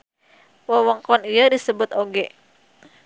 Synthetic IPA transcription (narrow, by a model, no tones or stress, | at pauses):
wəwɔŋkɔnijədisəbʊt̪oɡɛ